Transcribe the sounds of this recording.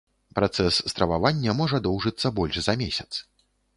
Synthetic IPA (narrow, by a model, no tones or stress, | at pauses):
pɾat̪sɛsːst̪ɾɐvavanʲːɐmɔʐɐd̪ɔwʐɨt̪sːɐbɔlʲʂzɐmʲesʲɐ̥t̪s